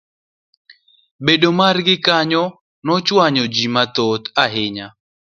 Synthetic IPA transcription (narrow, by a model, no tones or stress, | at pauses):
bedomarɡɪkaɲɔ | nɔt͡ʃwaɲɔd͡ʒimat̪ot̪aɦɪɲa